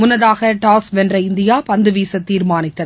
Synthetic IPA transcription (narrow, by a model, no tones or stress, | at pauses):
mʊnːɐðaːɣɐʈaːsʋɛndrɐɪnd̪ɪjaːpɐnd̪ɯʋiːsɐt̪ːiːɾmaːnɪt̪ːɐð